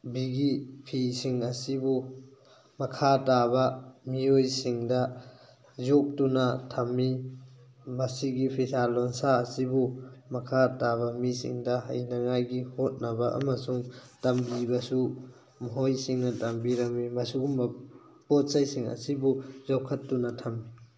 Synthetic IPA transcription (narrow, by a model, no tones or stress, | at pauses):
biɡipʰisiŋɐsibu | mɐkʰatabɐmiojsiŋdɐ | zok̚tunɐtʰɐmːi | mɐsiɡipʰitʰalonsaːsibumɐkʰatabɐmisḭŋdɐɦɐ̰jnɐŋajɡihot̚nɐbɐʔɐ̰mɐsuŋtɐmbibɐsu | mɔɦojsiŋnɐtɐmbiɾɐŋmimɐsuɡumɐ | pot̚sajsiŋɐ̰sibuzowkʰːɐtːunɐtʰɐmːi